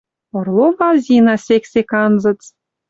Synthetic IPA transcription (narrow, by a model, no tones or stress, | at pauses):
ŏrlˠobɑlzʲinɑsʲeksʲekɑnzɤ̆t͡s